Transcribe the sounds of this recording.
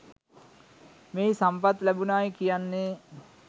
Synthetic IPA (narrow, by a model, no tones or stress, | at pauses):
meːsampat̪læbunaːjkijanːe